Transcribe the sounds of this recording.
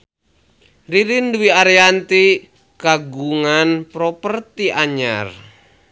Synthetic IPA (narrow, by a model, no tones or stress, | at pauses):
riɾinduwiaɾeant̪i | kaɡuŋanpɾɔpərt̪iʔaɲa̰r